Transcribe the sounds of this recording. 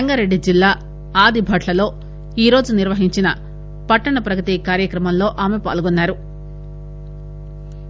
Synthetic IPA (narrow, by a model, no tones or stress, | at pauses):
ɐŋɡɐɾe̞ɖːid͡ʒilːaː | aːd̪ʱibʱɐʈʰlɐlo̞ː | iːɾo̞ːd͡ʒuniɾʋɐɦiɲt͡ʃinɐ | pɐʈːɐɳɐpɾɐɡɐt̪ikaːɾjɐkɾɐmɐmlo̞ːʔaːmepa̰ːlɡonːaːɾu